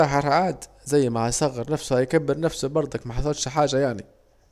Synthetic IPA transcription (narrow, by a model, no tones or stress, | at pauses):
ɑħɑɾʕaːd̪ | zæjːmahæjsˤɑɣːɑɾnæfsʊhæjkæbːɪɾnæfsʊbɑɾˤd̪ˤɑkmaħɑsˤɑt̪ʃħaːʒæjaʕni